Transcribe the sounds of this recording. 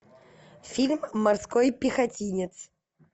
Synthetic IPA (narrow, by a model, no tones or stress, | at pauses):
fʲilʲmːarskojpʲixatʲinʲɪt̪s